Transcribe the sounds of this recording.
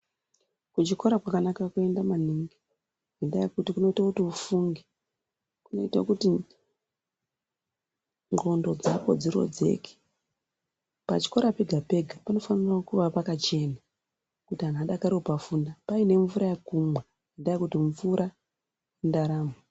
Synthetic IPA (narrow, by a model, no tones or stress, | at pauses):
kut͡ʃiko̞ɾakwakanakakue̞ndamaniŋɡi | ɡindajikutikuno̞itakutiufuŋɡi | kuno̞̰itakuti | ŋɡo̞ndo̞d͡zapo̞̰d͡ziɾo̞̰d͡ze̞̰ke̥ | pa̰t͡ʃi̥ko̞ɾapeɡʱape̞ɡʱapano̞faniraokuʋapakat͡ʃe̞na | kutianaɗakaɾiopafundapaine̞ɱvuɾajakumwe | indajikutiɱvuɾa | jendaɾaːmo